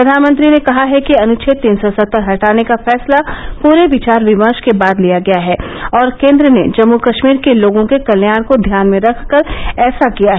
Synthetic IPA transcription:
ppɾɐd̪ʱaːnmə̃nt̪ɾinẽkɐɦaɦɛkiɐnʊt͡ʃʰɪt̪ːiːnsɔsɐt̪ːəɾɦɐʈaːnekafɛːslapuːɾeʋɪt͡ʃaːɾʋɪməɾʃkebaːd̪lijaɡɐjaɦɛːɔːɾkẽːnd̪ɾənḛd͡ʒɐmːukɐʃmiːɾkeloːɡõkekɐljaːnkod̪ʱjaːnmẽɾɐkʰkəɾɛːsakijaɦɛː

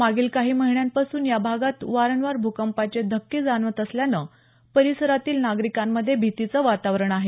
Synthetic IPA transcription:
maɡiːlkaɦiːməɦiɳjanpasuːnjabʱaɡat̪ʋaɾəɳʋaɾbʱukəmpat͡ɕed̪ʱəkːiːd͡zanʋət̪əsljanə | pəɾisəɾat̪iːlnaɡɾikamːəd̪ʱːjebʱit̪it͡səʋat̪aʋɾəɳaɦe

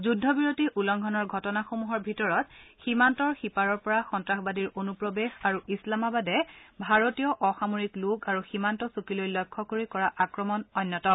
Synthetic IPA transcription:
zudʱːɔbiɹotiʔulɔŋɡʱɔnɔɹɡʱɔtɔnaxomuɦɔɹbʱitɔɹɔtximantɔɹxipaɹɔɹpɔɹaxɔntɹaxbadiɹonupɹɔbexaɹuislamabadɛbʱaɹotijɔʔɔxamoɹikluɡaɹuximantɔsukilojlɔjkʰːɔkoɹikɔɹaʔakɹɔmɔnɔnːɔtɔ

